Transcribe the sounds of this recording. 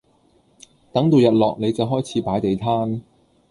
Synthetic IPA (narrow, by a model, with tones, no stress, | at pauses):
t̪ɐ˨˥ŋt̪o˨˧wjɐ˨t̚lɔː˨k̚ne˨˧jt͡sɐ˨wɦɔː˥jt͡sʰiː˨˥paː˨˥jt̪e˨jt̪ʰaː˥n